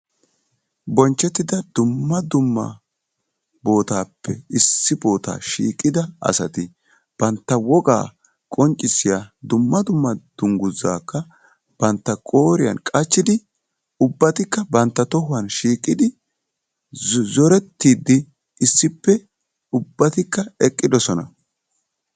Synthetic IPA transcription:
bɔnt͡ʃːɛt̪ːɪd̪ɐd̪̥ʊmːɐd̪ʊmːɐ̰ | bo̞ːt̪aːpːɛɪsːɪbo̞ːt̪a̰ːʃḭːkʼːɪd̪ɐɐ̰sɐt̪ɪ | b̥ɐnt̪ːɐwɔɡa̰ː | kʼɔnt͡ʃʼːɪsɪjad̪ʊmːɐd̪ʊmːɐd̪̥ʊŋɡʊzːa̰ːkːɐ | b̥ɐnt̪ːɐkʼo̞ːɾɪjɐ̰nkʼɐt͡ʃːɪd̪ɪ | ʊbːɐt̪ɪkːɐbɐnt̪ːɐt̪ɔɦʊwɐnʃiːkʼːɪd̪ɪ | zɔɾɛt̪ːiːd̪ːɪ | ɪsːɪpːɛ | ʊbːɐt̪ɪkːɐɛkʼːɪd̪ɔsɔnɐ̰

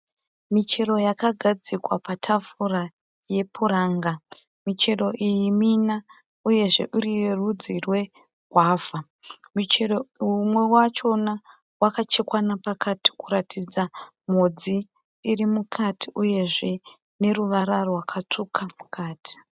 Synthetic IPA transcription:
mit͡ʃe̞ɾo̞jakaɡʱad͡zikwapatʰafura | je̞pʰuɾaːŋɡa | mit͡ʃe̞ro̞ʔijimina | uje̞ʐe̞̰ʔuɾierud͡zirwe̞ | ɡʱwaːva | mit͡ʃeroumwe̞wat͡ʃo̞na | wakat͡ʃe̞kwanapakati̥kuɾatid͡zam̤od͡ziː | rimukʰatiʔuje̞ʐe̞ | ne̞ruʋaɾarwakʰat͡ʂukʰamukʰaːtʰi̥

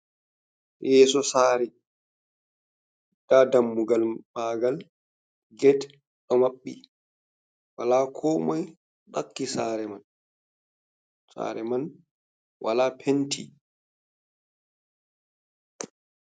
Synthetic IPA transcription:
jɛːsɔsaːɾɛ | d̥adamːuɡalmaːɡal | ɡɛt | ɗɔmaɓːḭ | walaːkʰɔːmɔj | ɗakːisaːɾɛman | sa̰ːɾɛman | wʔa̰laːpʰentʰḭ

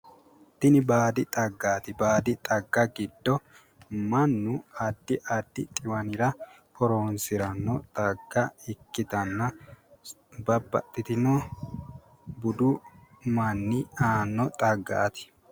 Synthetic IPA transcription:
t̪ɪnɪbaːd̪ɪt̪ʼɐɡːaːt̪ɪbaːd̪ɪt̪ʼɐɡːɐɡɪd̪ːɔ | mɐnːʊɐd̪ːɪʔɐd̪ːɪ̰t̪ʼɪwɐnɪɾɐ | kɔɾoːnsɪɾɐnːɔt̪ʼɐɡːɐɪkːɪd̪ɐnːɐ | bɐbːɐ̰t̪ʼːɪt̪ɪnɔ | bʊd̪ʊ | mɐnːɪaːnːɔt̪ʼɐɡːa̰ʔːt̪ɪ̥

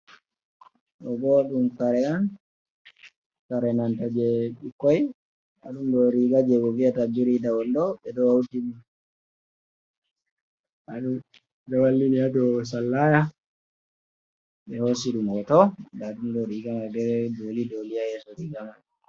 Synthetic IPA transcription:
ɗɔɡɔɗumkaɾɛan | kaɾɛnantad͡ʒɛɓikːɔj | a̰ɗumɗɔɾiɡad͡ʒɛɡɔviatabiɾidawɔndɔɓɛɗɔwawtini | aɗum | ɗɔwalːiniadɔs̬alːaja | ɓɛhos̬iɗumhɔtɔdaɗumdɔɾiɡamadɛɾdolidoliajɛsɔɾiɡaman

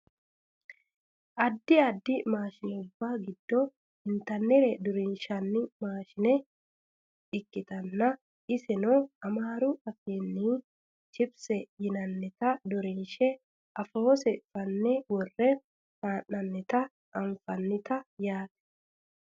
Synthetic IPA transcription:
ʔɐd̪ːɪɐd̪ːɪmaːʃɪnɛʊbːaɡɪd̪ːɔ | ɪnt̪ɐnːɛɾɛd̪ɔɾɪnʃɐnːɪmaːʃɪnɛ | ɪkːɪt̪ɐnːɐ | ʔɪsɛnɔɐmaːɾʊɐfeːnːi | t͡ʃɪbsɛjɪnɐnːɛt̪ɐd̪ɔɾɪnʃɛ | ʔɐfoːsɛfɐnːɛwɔrːɛ | maːnːɐnːɛt̪ɐ | ʔɐɱfɐnːɪt̪ɐjaːt̪ɛ̥

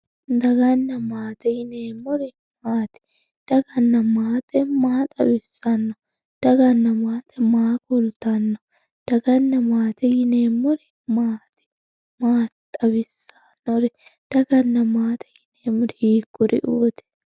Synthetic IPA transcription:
d̪ɐɡɐnːɐmaːt̪ɛjɪneːmːɔɾɛ | maːt̪ɛ̥ | d̪̥ɐɡɐnːɐmaːt̪ɛmaːt̪ʼɐbɪsːɐnːɔ | d̪̥ɐɡɐnːɐmaːt̪ʰɛmaːkʊlt̪ɐnːɔ | d̪̥ɐɡɐnːɐmaːt̪ɛjɪneːmːɔɾɛ | maːt̪ɛ̥ | maːt̪ʼɐbɪsːɐ̥nːɔɾɛ | d̪̥ɐɡɐnːɐmaːt̪ʰɛ̥jɪneːmːʊɾhiːkːʊɾɪ̰ʔuːt̪ɪ̥

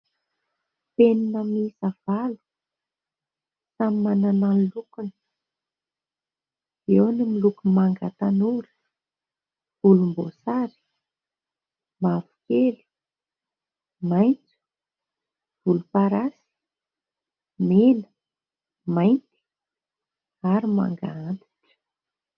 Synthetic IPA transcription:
peninəmisav̥alu̥ | samimanananlukunə | ewnimilukumaŋɡat̪anuɾə̥ | v̥ulumbosaɾi̥ | mafu̥keli̥ | majnt͡su̥ | v̥ulupaɾasi̥ | melə̥ | majnt͡s̪i̥ | aɾima̰ŋɡa̰ant̪i̥ʈ͡ʂə̥

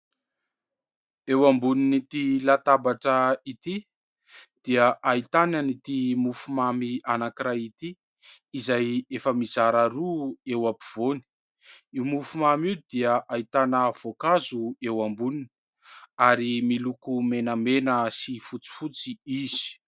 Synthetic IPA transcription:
ewambuninit̪ilat̪abaʈ͡ʂəit̪i | d̪̥iəʔait̪ananit̪imufumamianakiɾait̪iː | zajefəmizaɾaɾuewapiv̥oni̥ | imufumamiwd̪iəʔait̪anəv̥okazuewambunini | aɾimilukumenəmenəsifut͡si̥fut͡siiz̥i̥

